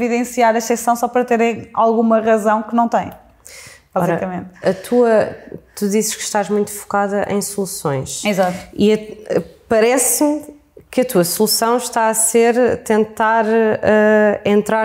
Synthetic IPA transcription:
viðẽsiaɾɐʃsɛsɐ̃w̃sɔpɐɾɐt̪eɾɐ̃j̃a̰lˠɣumɐʁɐzɐ̃w̃kɨnɐ̃w̃t̪ɐ̃j̃ | bazɔiɾɐkɐmẽnt̪ɐt̪ʰuɐt̪uðizɨʃkʃt̪aʒmũj̃t̪u̥fu̥kaðɐʔɐ̰̃j̃sulˠusõj̃ʃizat̪iɐpɐɾɛsm | kɐt̪uɐsulˠusɐ̃w̃ʃt̪aɐseɾt̪ẽnt̪aɾɛẽnt̪ɾaɾ

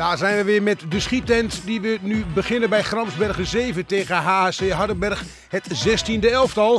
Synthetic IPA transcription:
d̥aːrzɛjnʋəʋɪmɛtdəsχitɛntdiʋənybəχɪnənbɛjχrɑmzbɛrɣəzeːvənteːɣənɦaːseːɦadəbɛrx | hətzɛstindəɛlˠftɔlˠ

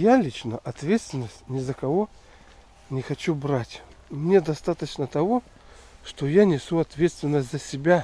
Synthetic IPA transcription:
jalʲit͡ɕnəʔɐt̪vʲet̪st̪vʲɪnːəsʲtʲnʲɪzəkɐvo̞ | nʲɪxɐt͡ɕubɾatʲ | mnʲed̪ɐst̪at̪ət͡ɕnət̪ɐvo̞ | ʂt̪ojanʲɪsʲuɐt̪vʲet̪st̪vʲɪnːəsʲt̪ʲzəsʲɪbʲa

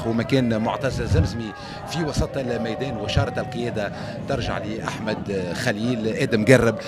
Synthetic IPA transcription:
wmækɛːnmʊʕt̪ɑzzɪmzmi | fiwɑsˤɑt̪ˤlmæjd̪ɛːnwæʃɑːɾˤɑt̪ælqɨjɛːd̪a | t̪ɪɾˤʒa̰ʕliʔaħmæd̪xæliːlʔæːd̪ɪmɡarːɪb

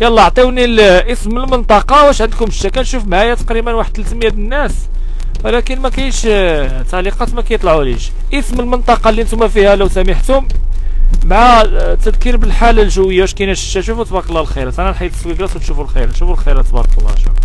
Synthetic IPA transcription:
jɑlˤːɑʕt̪ˤiwnilʔəsməlmənt̪ˤɑqɑwæʃʕənd̪kʊməʃːækænʃufmʕæjæt̪ɑ̥qɾimənwaħəd̪̚t̪əlt̪əmjæd̪ənːæs | wəlækənmækæjʃ | t̪aʕliqɑt̪mækæjət̪ˤlʕuliʃ | ʔəsməlmənt̪ˤɑqɑlːiʔənt̪umæfihæləwsæməħt̪ʊm | mʕat̪əd̪kiɾbəlħalːælʒəwːəjːawæʃkænæʃə̥ʃæʃufut̪bɑklːɑlxiɾt̪ʕnælħajt̪ə̥swiɡlɑsut̪ʃufulxḭɾnʃufulxiɾæt̪bɑ̰ɾˤkəlːɑ̰ʃṵ

